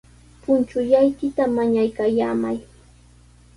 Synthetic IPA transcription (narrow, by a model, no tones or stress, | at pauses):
pʊnt͡ʃʊʎajkɪt̪amaɲajkajaːmaj